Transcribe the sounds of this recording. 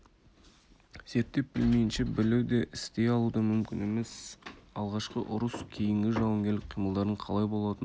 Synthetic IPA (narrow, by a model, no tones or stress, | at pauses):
z̥e̞ɾt̪ːe̞p̚b̥ɪlmejɪnʃebɪlewd̪e̞ʔɪst̪e̞jɑlˠud̪ɑmʏmkʲɪne̞me̞sɑlˠʁɑʃqəʔʊɾəskʲʰe̞jɪŋɡʲɪʒɑwɑŋɡʲe̞ɾlɪk̚qʰijməlˠd̪ɑɾəɴqʰɑlˠɑjbo̞lˠɑt̪ən